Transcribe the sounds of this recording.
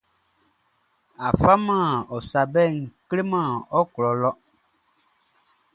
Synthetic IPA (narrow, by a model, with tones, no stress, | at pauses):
a˨fa˦mã˦˨ɔ˨sa˨bɛ˦˨ŋ̩˨kle˦mã˦˨ɔ˦klɔ˨lɔ˦